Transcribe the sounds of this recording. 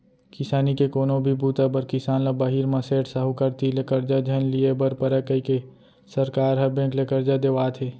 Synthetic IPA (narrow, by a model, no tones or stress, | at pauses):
kɪsaːnikekoːnobʱibuːt̪abəɾkɪsaːnlabaɦiːɾmɐseːʈsəɦukəɾt̪ilekəɾd͡ʒad͡ʒʱənliebəɾpəɾəkːəike | sɐɾkaːɾɦɐbẽːklekəɾd͡ʒad̪eʋaːt̪ʰeː